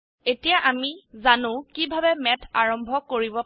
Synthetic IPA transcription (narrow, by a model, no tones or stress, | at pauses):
etijaʔamizanʊ̃kibʱabɛmɛtʰaɹɔmbʱɔkoɹibɔ